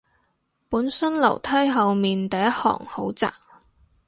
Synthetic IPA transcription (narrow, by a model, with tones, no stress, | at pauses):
puː˨˥nsɵ˥nlɐ̰˨˩wt̪ʰɐ˥jɦɐ˨wmiː˨nt̪ɐ˨˧jɐ˥t̚hɔ̰ː˨˩ŋho˨˥wt͡sa̰ː˨k